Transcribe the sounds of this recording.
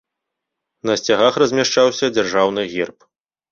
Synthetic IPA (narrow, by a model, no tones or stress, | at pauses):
nɐsʲt͡sʲaɣaxrɐzʲmʲaʂt͡ʂawsʲɐd͡zʲarʐawnɨɣʲirp